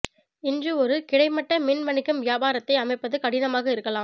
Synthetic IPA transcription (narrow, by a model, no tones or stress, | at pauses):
ɪndrɯɔɾɯkɪɽɐɪmɐʈːɐmɪnmɐɳɪkːɯmʋɪjaːbaːɾɐt̪ːɐɪɐmɐɪpːɐðɯkɐɽɪnɐmaːɣɐɪɾɯkːɐlãːm